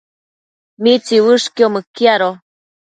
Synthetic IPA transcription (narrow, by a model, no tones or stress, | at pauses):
mit͡siwɨʂkiomɨkjaɾo